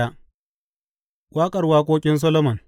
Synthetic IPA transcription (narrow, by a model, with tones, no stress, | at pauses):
a˦ | wʔaː˦kʼɐ˨rwaː˦kʷoː˦kʲʼɪ˦ns̬ɐ˦loː˦mɐ˨n